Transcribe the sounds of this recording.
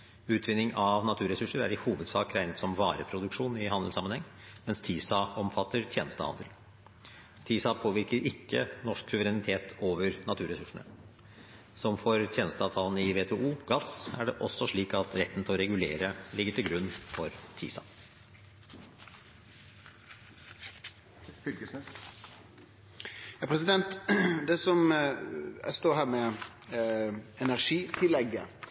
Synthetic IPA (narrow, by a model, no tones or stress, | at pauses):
ʉːt̪ʰʋɪnːɪŋɑʋnɑt̪ʰʉːɾɛsʉʂəɾæ̰ɾɪhuːʋəd̪sɑːkɾæɪnət̪sɔmʋɑːɾəpʰɾʊd̪ʉkʂuːnɪhɑnd̪l̩sɑmənhɛŋː | mɛnst̪ʰiːsɑɔmfɑt̪ːəɾt̪ʰjeːnəst̪əhɑ̰nd̪əl | t̪ʰiːsɑpʰoːʋɪɾkəɾʔɪkːə̰nɔʂksʉʋəɾɛnɪt̪ʰeːt̪ʰoːʋəɾnɑt̪ʰʉːɾɛsʉʂəɳə̰ | sɔmfɔɾt̪ʰjeːnəst̪əɑːʋt̪ʰɑːlnɪʋeːt̪ʰɛʔuːɡɑsæɖɛʔɔsːɔʂɭiːkɑt̪ɾɛt̪ːn̩t̪ɪlɔɾɛɡʉleːɾəlɪɡːəʈʰɪlɡɾʉnːfɔɾt̪ʰḭːsɑ̰ | fʏkə | jɑːpʰɾɛs̬ɪd̪ɛnt̪d̪ɛsɔm | æ̰st̪oːɦæːɾmɛ | ɛnæɾʂiːt̪ʰɪlːɛɡə̰